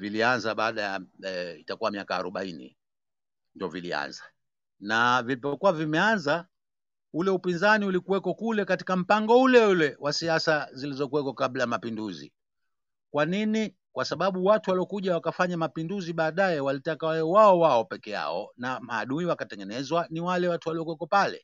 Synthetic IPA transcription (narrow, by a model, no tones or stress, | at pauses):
vilianzaɓaːɗajaitakuwamiaka̰ːɾuɓa̰inḭ | ndɔvilḭa̰nza | navilipɔkuwavimɛanza | ulɛupinzaniulikuwɛkɔkulɛkati̥kam̩paŋɡɔulɛulɛwasiasazilizɔkuwɛkɔkablajamapinduzḭ | kwanini | kwasaɓaɓuwatuwaliɔkuʄawakafaɲamapinduziɓaːɗaɛwalitakawɛwaɔwaɔpɛkɛja̰ɔ̰namaːɗuiwakatɛŋɡɛnɛzwaniwalɛwatuwaliɔkwɛkɔpalɛ̰